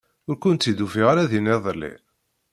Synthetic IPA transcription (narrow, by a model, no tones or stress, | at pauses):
ʊɾkʊnt̪ːid̪ufiʁaɾaðineðˤlːḭ